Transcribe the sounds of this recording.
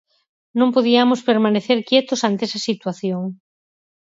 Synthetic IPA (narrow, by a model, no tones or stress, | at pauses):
nõmpoðiamʊspeɾmaneθeɾkjet̪ʊsant̪eesɐsit̪waθjoŋ